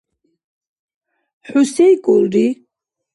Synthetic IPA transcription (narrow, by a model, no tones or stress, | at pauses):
ħusɛjkʼulɾi